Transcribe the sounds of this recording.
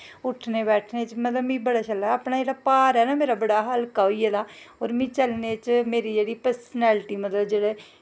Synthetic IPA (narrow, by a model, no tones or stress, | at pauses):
ʊʈʰneːbɛːʈʰneːt͡ʃmət̪ləbĩːbəɽaːt͡ʃəlaaːpnaːd͡ʒeːɽaːpaːɾɛːnaːmeːɾaːbəɽaːɦəlkaːoiːɛːd̪aːoːɾmĩːt͡ʃəlneːt͡ʃmeːɾiːd͡ʒeːɽiːpəɾsənɛːlʈiːmət̪ləbd͡ʒeːɽeː